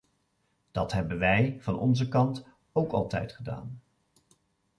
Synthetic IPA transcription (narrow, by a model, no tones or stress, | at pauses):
d̥ɑtɦɛbənʋɛjv̥ɑnɔ̰nzəkɑnt | owkɑ̰lˠtɛ̰jtχəda̰ːn